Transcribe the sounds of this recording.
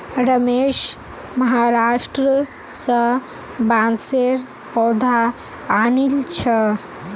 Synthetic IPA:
ɾəmeʃ | məɦaɾasʈɾə | sə | banseɾ | pɔd̪ʱaː | nilt͡ʃʰə

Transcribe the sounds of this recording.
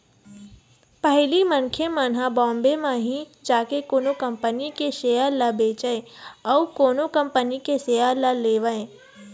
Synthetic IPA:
pəɦlimənkʰemənɦabɔ̃ːmbemãɦĩd͡ʒaːkekoːnokə̃mpənikeʃeːjalɐbeːt͡ʃəẽ | ɔːkoːnokə̃mpənikeseːjaləleːʋəẽ

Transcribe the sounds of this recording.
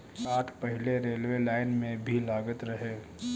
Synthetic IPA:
aːʈʰpəɦɪleɾeːlʋelaːɪnmẽbʱilaːɡət̪ɾəɦe

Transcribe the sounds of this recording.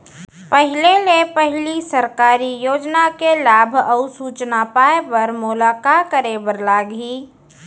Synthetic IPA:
pəɦɪlelepəɦɪlisəɾkaːɾijoːd͡ʒnakelaːbʱɐʊsuːt͡ʃnapaːepɐɾmʊlaːkakəɾebəɾlaːɡiː

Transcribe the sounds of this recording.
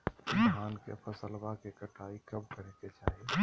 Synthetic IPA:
ɦankḛpʰəsəlbakekəʈaikəbkəɾɛket͡ʃaɦi

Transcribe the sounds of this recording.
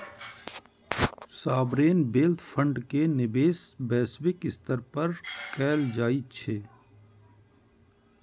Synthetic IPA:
saːbɾeːnbeːlt̪ʰfʰɐ̃ɳɖkenɪbeːsbɛːswɪkɪst̪əɾpɐɾkɛːld͡ʒaːit͡ʃʰeː

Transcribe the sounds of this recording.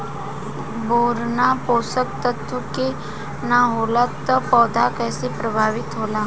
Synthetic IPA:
boːɾnapoːsək̚t̪ət̪əke | naɦoːlat̪əpɔːd̪ʱakɛːsepɾəbʱaːʋɪt̪ɦoːlaː

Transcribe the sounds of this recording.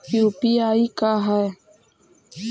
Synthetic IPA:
iupiaːikaɦɛ

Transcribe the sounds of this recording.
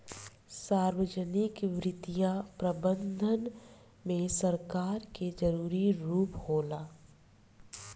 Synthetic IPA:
saːɾwəd͡ʒənɪkʋɾɪt̪ijãpɾəbə̃nd̪ʱən | mẽsəɾkaːɾked͡ʒəɾuːɾiɾuːphoːlaː

